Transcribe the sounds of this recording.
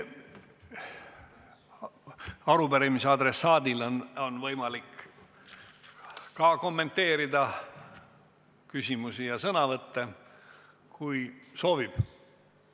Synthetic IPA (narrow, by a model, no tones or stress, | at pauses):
ɑɾubeɾimiseɑd̪ɾe̞sɑːd̪ilononvɤjmɑlik | kɑko̞mːe̞nt̪ːe̞ːɾid̪ɑ | kysʲimusijɑsɤnɑvɤt̪ːe̞ | kujso̞ːvib̥